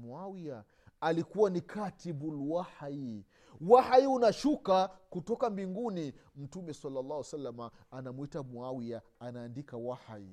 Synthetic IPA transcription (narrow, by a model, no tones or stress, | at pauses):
muawia | alikuwanikʰatibulwahai | wahaiunaʃukakutɔkambiŋɡunim̩tumɛsalːalːahwasalːamaːnamwitamuawia | anaːndikawaha̰ḭ